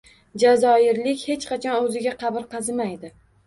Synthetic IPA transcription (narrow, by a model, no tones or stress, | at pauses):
d͡ʒazɒɪɾlɪkʲhet͡ʃqɑt͡ʃʰɒnɵzɪɡʲaqʰɑbɪɾqʰɑzɪmajd̪ɪ